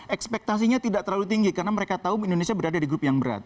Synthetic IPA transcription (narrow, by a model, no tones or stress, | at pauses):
ʔɛkspɛk̚t̪as̬iɲat̪idaʔt̪ərɾlalut̪iŋɡikarənaməɾekat̪auiːndonesiabəɾadadiɡɾʊpjaŋbəɾa̰t̪̚